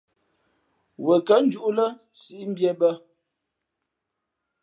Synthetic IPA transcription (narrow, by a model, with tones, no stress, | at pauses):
wə˨kə˦n˦d͡ʒu˦ʔu˦lə˦ | si˦i˦m̩˦bjɛ˦bə˦